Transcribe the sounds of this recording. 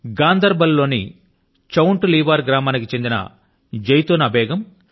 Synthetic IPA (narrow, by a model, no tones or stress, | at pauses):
ɡaːnd̪ɐɾbɐlːo̞ːnḭ | t͡ʃɐwuɳʈuliːʋaːɾɡɾaːmaːnikit͡ʃe̞nd̪inɐ̰ | d͡ʒɐjt̪oːnɐbɛːɡɐm